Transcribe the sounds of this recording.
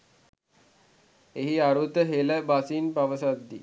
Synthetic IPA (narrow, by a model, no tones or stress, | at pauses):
eɦiaɾut̪əɦeləbasinpaʋəsad̪ːi